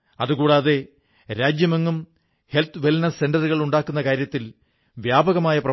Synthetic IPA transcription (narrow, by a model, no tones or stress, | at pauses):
ɐðuɣuːɽaːðe̞ | ɾaːd͡ʑjɐmeŋːum | he̞lt̪ʰʋelnɐse̞nɖɐɾɨɣɐɭuɳɖaːkːunːɐkaːɾjɐt̪ːil | ʋjaːbɐɣɐmaːjɐprɐ